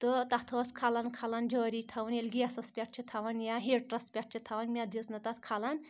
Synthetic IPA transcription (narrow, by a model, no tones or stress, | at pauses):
t̪ɨt̪ɐt̪ʰɐskʰalɐnkʰalɐnd͡ʒoːɾit̪ʰɐʋɐnelʲɡijasɐspʲɐʈ̚t͡ʃʰit̪ʰɐʋɐnjaɦeɽʈrɐspʲɐʈ̚ʰt͡ʃʰit̪ʰɐʋɐnmʲad̪iznɐt̪ɐt̪ʰkʰalɐn